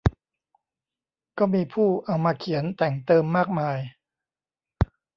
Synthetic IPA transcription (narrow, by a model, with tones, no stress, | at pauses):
kɔː˥˩miː˧pʰuː˥˩ʔa˧wmaː˧kʰi˩˦ənt̪ɛ˨˩ŋt̪ɤː˧mːaː˥˩k̚maː˧j